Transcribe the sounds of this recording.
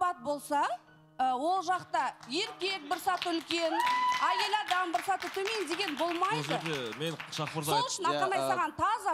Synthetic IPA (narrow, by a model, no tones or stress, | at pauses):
pɑt̪̚bo̞lˠsɑ | wo̞lˠʒɑqt̪ɑje̞ɾkʲe̞k̚bɪɾsɑt̪əʏlkʲe̞næje̞lɑd̪ɑnbɪɾsɑt̪ət̪ʰɵme̞nd̪e̞ɡʲe̞nbo̞lˠmɑd̪əəemenʃɑχpəɾsolˠəʃɪnɑqɑnɑjsɑʁɑnt̪ʰɑzɑ